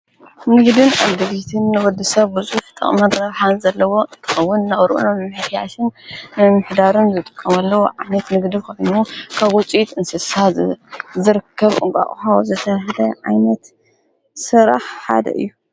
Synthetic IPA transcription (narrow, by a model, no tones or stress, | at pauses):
nɨɡd̪ɨna̰βd̪ɐβit̪ʰɨnːɨwɔd̪ɨsɐβbɨzʼuħt̪ʼɐ̰χʼmɐd̪ɾɐβħanzɐlːɐwo̞ɨnt̪ʰɨ̥xɐwːʊnnɐʔʼɾʔṵnɐnmħɨt̪ʰja̰t̪ɨnːɨmːɨħd̪aɾɨnzɨt̪ʼɨ̥kʼːɐmɐlːɐwoʕajnɐt̪nɨɡd̪ikʰojnukʰaβɔt͡sʼit̪ɨnsɨsa | zɨɾɨkʰːɐβʔɨ̰ŋkʼa̰ʔʼxawzɨt̪ʰɐɦd̪ɐʕa̰jnɐt̪ | sɨɾa̰ħħa̰d̪ɐ̰ʔɨ̰jːu